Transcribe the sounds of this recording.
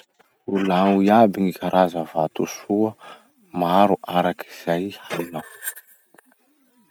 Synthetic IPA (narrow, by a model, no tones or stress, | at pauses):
ulaŋuiabiŋikʰaɾʔazəvat̪usuə | maɾuʔaɾaki̥z̥ajhainaw